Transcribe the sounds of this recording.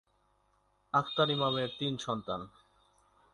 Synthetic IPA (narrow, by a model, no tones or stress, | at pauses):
akʰt̪aɾimameɾt̪inʃɔnt̪an